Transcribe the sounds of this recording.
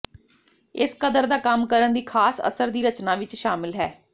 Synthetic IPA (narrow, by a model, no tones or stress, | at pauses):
ɪskəd̪əɾd̪aːkəmkəɾənd̪iːkʰaːsə̰səɾd̪iːɾət͡ʃnaːʋɪt͡ʃʃaːmɪlɦɛː